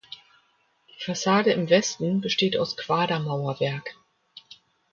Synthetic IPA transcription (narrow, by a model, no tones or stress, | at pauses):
d̥iːfasaːdəɪmvɛstn̩bəʃteːta̰ʊskv̥aːdɐmaʊɐvɛɐk